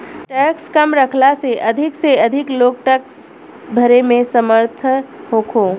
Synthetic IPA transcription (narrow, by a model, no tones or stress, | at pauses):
ʈɛːkskəmɾəkʰlaseʔɐd̪ʱɪkseɐd̪ʱɪkloːk̚ʈɛks | bʱəɾemẽsəməɾt̪ʰəɦoːkʰoː